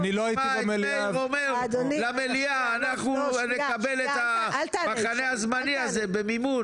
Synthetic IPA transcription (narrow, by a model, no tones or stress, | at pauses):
niloaitibameliaomeʁlameliaːnaχnunekabe̞let̪amaχaneazmaniaze̞be̞mimun